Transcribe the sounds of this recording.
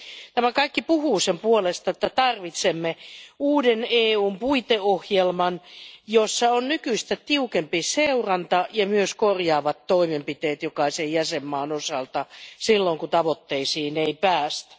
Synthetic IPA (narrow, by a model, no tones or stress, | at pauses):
t̪æmækɑikːipuhuːsempuolest̪ɑet̪ːæt̪ɑrʋit̪semːeuːdeneːuːmpuit̪eohjelmɑnjosːɑonnykyist̪æt̪iukempiseurɑnt̪ɑjɑmyøskorjɑːʋɑt̪tːoimempit̪eːt̪jokɑisejjæsemːɑːnosɑlt̪ɑsilːoŋkut̪ɑʋot̪ːeisiːneipæːst̪æ̥